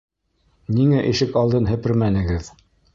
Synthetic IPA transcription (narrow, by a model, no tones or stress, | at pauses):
niŋæʔiʃɘkɑlˠd̪ɤnɦɘ̆pɘɾmænɘ̆ɡɘð